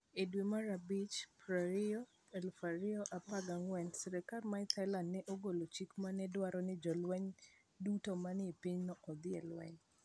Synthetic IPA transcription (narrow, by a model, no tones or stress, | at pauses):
edwemaɾabit͡ʃpɾaɾɪɔ | ɛlfaɾɪɔʔapaɡaŋwɛnsɛɾɛkarmaɪt̪ʰalandnɛʔoɡolot͡ʃikmanɛdwaɾɔnɪd͡ʒɔlwɛɲ | dutomanɪepiɲnɔʔɔd̪ɪɛ̰lwɛ̰ɲ